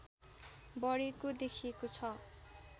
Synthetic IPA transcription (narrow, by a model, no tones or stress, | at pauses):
bʌɾikod̪ekʰiekot͡sʰʌ